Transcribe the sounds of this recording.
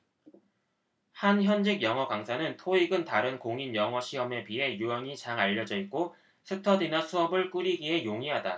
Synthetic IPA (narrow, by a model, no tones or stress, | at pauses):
hançjʌnd͡ʑeɡjʌŋɦʌkaŋsʰanɯntʰoiɡɯntaɾɯnkoŋinjʌŋʌɕʰiɦʌme̞piɦe̞juʌŋit͡ɕaŋaʎːʌd͡ʑʌik̚k͈o | sʰɯtʰʌdinasʰuʌbɯɭk͈uɾiɡiɦe̞joŋiɦada